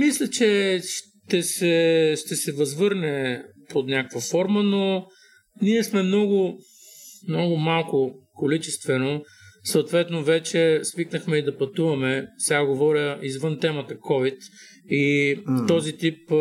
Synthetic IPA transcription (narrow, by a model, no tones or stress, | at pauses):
mislʲət͡ʃɛʃ | t̪ɛsɛʃt̪ɛsɛvɐzvɤɾnɛpot̪nʲakəkvɐfɔɾməno | niɛsmɛmnɔɡʊ | mnɔɡʊmalˠkʊkolit͡ʃɛst̪vɛno | soːt̪vɛt̪novɛt͡ʃɛsviknəxmɛid̪ɐpɐt̪uvɐmɛsɛaɡovɔɾjəizvɤnt̪ɛmət̪əkɔvit̪ | it̪ɔzit̪ip̚